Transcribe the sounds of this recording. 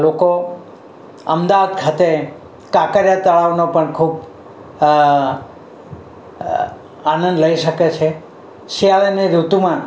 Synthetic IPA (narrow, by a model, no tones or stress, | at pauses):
loko | əmd̪aʋad̪kʰat̪e | kakəɾjat̪əɭaʋnopəɳkʰub | anə̃nd̪ləiʃəket͡ʃʰe | ʃiaʋeniɾut̪umã